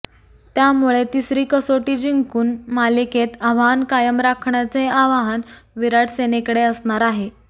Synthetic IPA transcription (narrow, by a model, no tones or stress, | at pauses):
t̪jamuɭet̪isɾiːkəsoʈiːd͡ʑiŋkuːnmaliket̪aʋaɦənkajəmɾakʰɳjat͡seaʋaɦanʋiɾaʈsenekəɽeəsɳaɾaɦe